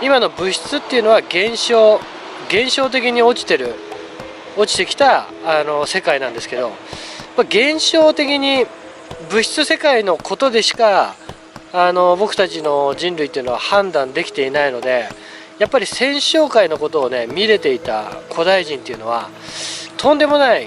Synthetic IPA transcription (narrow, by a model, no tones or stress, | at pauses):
imano̞bɯ̟ɕi̥t͡sɨt̪ːeiɯ̟no̞βaɡẽɰ̃ɕoː | ɡẽ̞ɰ̃ɕo̞ːt̪̬e̞kʲiɲ̟io̞t͡ɕi̥t̪e̞ɾɯ̟ | ot͡ɕi̥t̪e̞kʲi̥t̪aː | no̞se̞kainãnd̪e̞sɨ̥ke̞d̪o̞maɡẽ̞ɰ̃ɕo̞ːt̪e̞kʲiɲ̟i | bɯ̟ɕi̥t͡sɨse̞kaino̞ko̞t̪o̞d̪e̞ɕi̥kaː | no̞bo̞kɯ̟t̪at͡ɕino̞ʑĩnɾɯit̪ːeiɯ̟no̞ahãnd̪ãnd̪e̞kʲi̥t̪e̞inaino̞d̪e̞ | japːaɾʲisẽ̞ɰ̃ɕo̞ːkaino̞ko̞t̪o̞ːne̞mʲiɾe̞t̪e̞it̪a̰kʰo̞d̪aiʑĩnt̪eiɯ̟no̞βa̰ | t̪ʰõ̞nd̪e̞mo̞nai